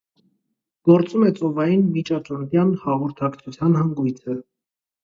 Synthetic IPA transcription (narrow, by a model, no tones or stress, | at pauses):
ɡ̥ɔɾt͡sʼumɛt͡sʼɔvɑjinmit͡ʃɑt͡ʃɔɾt̪jɑnhɑʁɔɾt̪ʰɑkt͡sʰut͡sʰjɑnhɑŋɡujt͡sʰə